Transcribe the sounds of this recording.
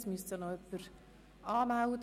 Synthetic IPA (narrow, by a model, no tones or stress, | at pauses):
smystənoœpːəɾ | ɑːmawd̪